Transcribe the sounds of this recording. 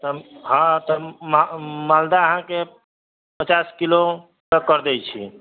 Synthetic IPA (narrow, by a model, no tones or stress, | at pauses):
t̪ɔɦãt̪ɔmmald̪aəɦãke | pət͡ʃaskilo | əkəɾd̪ɛt͡ʃʰḭ